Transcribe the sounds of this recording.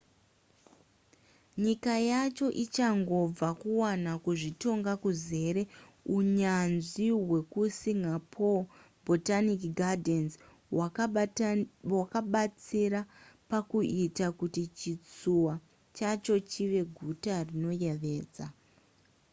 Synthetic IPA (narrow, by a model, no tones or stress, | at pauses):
ɲikajat͡ʃo̞ʔit͡ʃaŋɡo̞b͡vakuwanakuʐito̞ŋɡakuze̞ɾe̞ | uɲanʐiɦwe̞kusiŋɡapʰo | bʱo̞tanikɡadens | a | wakaɓat͡siɾapakuitakutit͡ʃit͡suwa | t͡ʃat͡ʃo̞t͡ʃiʋe̞ɡʱutarino̞je̞ʋe̞ːd͡za